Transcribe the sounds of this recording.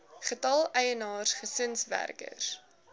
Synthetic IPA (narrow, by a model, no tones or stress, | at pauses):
χətɐlˠɛjənɑːrsχəsənsvæ̰rkə̰r